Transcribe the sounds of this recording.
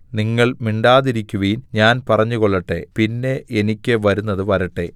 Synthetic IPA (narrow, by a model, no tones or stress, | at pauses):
niŋːɐɭmiɳɖaːðiɾikʲːuʋiːnɲaːnpɐrɐɲːuɣoɭːɐʈːe̞̰pinːe̞ʔenikʲːɨʋɐɾunːɐðɨʋɐɾɐʈːe̞